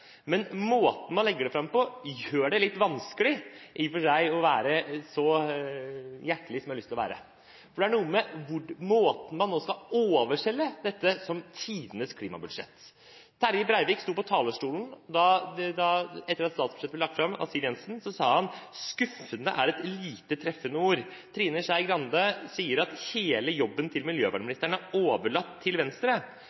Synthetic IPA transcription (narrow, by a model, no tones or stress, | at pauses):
mɛnmoːt̪n̩mɑnlɛɡːəɖɛfɾɑmpɔjøːɖɛlɪt̪ːʋɑnskəlɪʔɪfɔʂæɪɔʋæːɾəsɔ | jæʈəlɪsɔmjɑlʏst̪ɪlʋæːɾə | fɔɖɛæɳuːəmɛʋʊɖmoːt̪n̩mɑnːoːskɑoːʋəʂɛlːəd̪ɛt̪ːəsɔmt̪ʰiːd̪ənəskʰliːmɑ̰bʉd̪ʂɛ̰t̪ː | t̪ʰæɾjɪbɾæɪʋɪːkst̪uːɾpʰɔt̪ʰɑːləʂʈuːln̩d̪ɑd̪ɑɛt̪ːəɾɑt̪st̪ɑːt̪sbʉ̥ʂɛt̪ːəb̪lɛlɑk̚t̪fɾɑmɑ̰siːnɛnsn̩sɔsɑːhɑnskʉfənəʔæɾɛt̪liːt̪ət̪ʰɾɛfənəuːɾt̪ʰɾiːnəʂæɪɡɾɑnd̪əsiːəɾɑt̪heːləjɔbːənt̪ʰɪlmɪljøːʋɑːɖmɪnɪst̪əɳəæɾoːʋəɭɑt̪ʰːɪlʋɛnst̪ɾə